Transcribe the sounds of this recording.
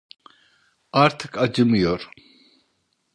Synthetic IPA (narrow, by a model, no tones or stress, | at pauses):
aɾt̪ʰɨ̥kʰad͡ʒɨmjɔɾ